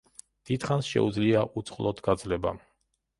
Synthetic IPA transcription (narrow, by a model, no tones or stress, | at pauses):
d̪̥id̪χansʃɛ̰ud̪zliaʔut̪sʼχlˠɔt̪ʰɡad̪zlɛba